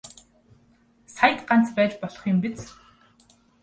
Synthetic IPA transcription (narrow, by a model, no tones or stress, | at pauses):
sajə̆t̪ɢan̥t͡spæːt͡ɕpɔɮɞ̥̆χjʊmpit͡s